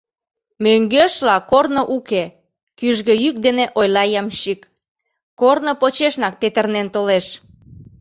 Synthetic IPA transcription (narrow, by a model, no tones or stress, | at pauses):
møŋɡøʃlɑkornoʔuke | kyʒɣø̆jyk̚d̪eneʔojlɑjɑmʃik | kornopot͡ɕeʃnɑk̚pet̪ərnent̪oleʃ